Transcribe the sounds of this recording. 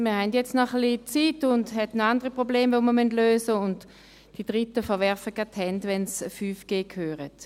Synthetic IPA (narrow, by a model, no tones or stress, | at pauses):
miːɐhɛndjɛt͡stnɔχlit͡siːtʊndhɛtnoandəʁipʁobleːmvoməɐmyndløːsəʊnt | d̥id̥ʁitəfəɐvɛɐfəkathɛntvɛnsfyːfɡ̥eːkʰhøːʁət